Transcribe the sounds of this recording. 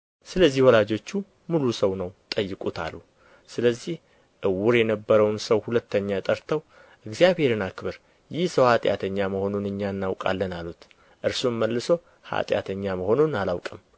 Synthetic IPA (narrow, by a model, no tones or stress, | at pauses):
sɨləzːihwɔlad͡ʒo̞t͡ʃːu | mulusəwnəwt̪ʼəjːɨkʼut̪ʰa̰lːu | sɨləzːih | ʔɨwːʊɾjɛnəbːəɾəwnsəwhulət̪ːəɲːat̪ʼəɾt̪ʰəw | ʔɨɡzijaβhe̞ɾɨnakɨβɨɾ | jɪhsəwhat̪ʼɪja̰t̪ʰəɲːaməho̞nunɨɲːaɨnːawkʼa̰lːənalut̪ | ʔɨɾsumːəlːɨso̞ | ha̰t̪ʼja̰t̪ʰəɲːaməho̞nunalawkʼɨm